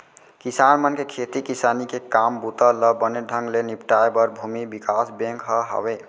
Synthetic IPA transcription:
kisanmənkekʰet̪ikisanikekambut̪ələbəneɖʱəŋɡlenipʈaebəɾbʱumibikasbẽŋkɦəɦə̰be

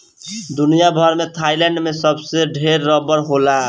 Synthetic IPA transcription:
d̪unijabʱʌɾmet̪ʰajlɛɳɖmesəbseɖʱeɾːəbəɾɦola

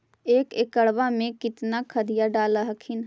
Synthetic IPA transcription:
eːkekəɽʋamẽkɪt̪nakʰəd̪ijaɖaːləɦəkʰin

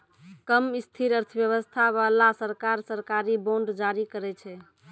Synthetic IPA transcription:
kəmist̪ʰiɾəɾt̪ʰəbjəβəst̪ʰaβalasəɾkaɾsəɾkaɾiboɳɖd͡ʒaɾikəɾɛt͡ʃʰɛ

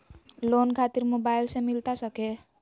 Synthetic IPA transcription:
lonkʰat̪iɾmobajlsẽmilt̪asʌke

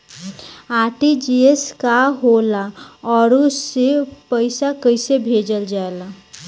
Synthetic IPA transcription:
aʈid͡ʒieskaɦolaɔːɾusːepəɪsakəɪsebʱed͡ʒəld͡ʒaela

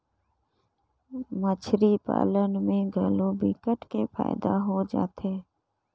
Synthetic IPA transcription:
mət͡ʃʰɾipa̰ːlənmẽɡʱəlobɪkəʈkepʰa̰ːɪd̪aɦod͡ʒa̰ːt̪eː

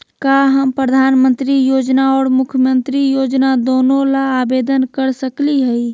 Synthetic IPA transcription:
kaɦəmpɾəd̪ʱaːnmənt̪ɾijoːd͡ʒnaɔːɾmʊkʰjəmənt̪ɾijoːd͡ʒnad̪oːnõlaːbeːd̪ənkəɾsəkliɦɛi

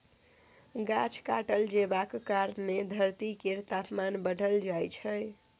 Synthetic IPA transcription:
ɡat͡ʃʰkaʈəld͡ʒebakkaɾned̪ʱəɾt̪ikeɾt̪apmanbəɖʱəld͡ʒajt͡ʃʰəj

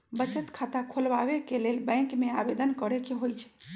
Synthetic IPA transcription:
bət͡ʃət̪kʰat̪akʰolbaβekelelbə̃ɪŋkmeabed̪ənkəɾekeɦojt͡ʃʰɛ̥

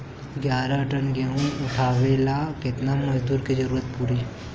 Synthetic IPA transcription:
ɡjaːɾaʈənɡeũʊʈʰaːʋeːlakɪt̪namɐd͡ʒd̪uːɾked͡ʒɐɾuːɾət̪̚puːɾi

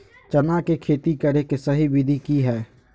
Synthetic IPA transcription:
t͡ʃənakekʰeːt̪ikəɾekesəɦibɪd̪ʱikiɦɛː

